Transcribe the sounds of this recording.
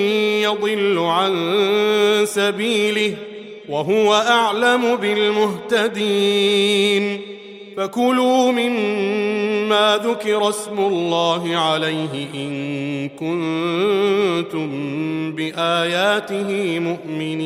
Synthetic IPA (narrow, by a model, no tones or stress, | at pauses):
jɑd̪ˤɨlːʊʕan | sabiːlɪh | waɦʊwaʔaʕlamʊbɪlmʊɦt̪ad̪i | n | fakʊluːmɪmː | aːðʊkɪɾˤɑsmʊlːɑːɦɪʕalajɦɪʔɪnkʊn | t̪ʊmbɪʔaːjaːt̪ɪɦɪmʊʔmɪniː